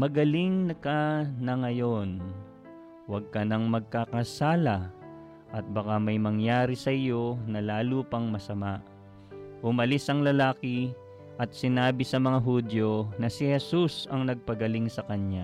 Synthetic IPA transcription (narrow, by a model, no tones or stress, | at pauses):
mɐɡɐliŋnɐkanɐŋɐjo̞n | wɐɡ̚kɐnɐŋmɐɡ̚kakɐsaːlɐ | ʔɐt̪̚bɐkamɐjmɐŋjaːɾisɐʔɪjo̞nɐlaːluːpɐŋmɐsɐmaʔ | ʔʊmɐlisʔɐŋlɐlaːkɪ | ʔɐt̪̚sɪnaːbɪsɐmɐŋaɦud̪jo̞nɐsɪhɛsusɐŋnɐɡ̚pɐɡɐliŋsɐkɐɲɲa